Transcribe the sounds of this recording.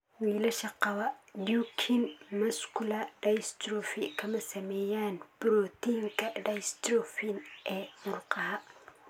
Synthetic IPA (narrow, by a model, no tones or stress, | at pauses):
wiːlɐʃɐqɑwɐdukʰinmɐskʰʊlɐɖɐjst̪ɾɔfɪkʰɐmɐsɐmɛjaːnb̥ʊɾɔːt̪iŋkʰɐɖɐjst̪ɾɔfinʔɛːmʊrqɑɦɐ